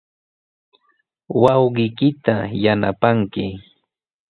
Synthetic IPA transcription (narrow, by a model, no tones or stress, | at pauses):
wɑwɢɪjkɪt̪ajana̰paŋkɪ